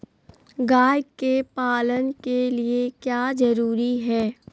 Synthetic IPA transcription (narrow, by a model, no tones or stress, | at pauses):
ɡaːjkepaːlənkeliekjaːzɐɾuːɾiɦɛː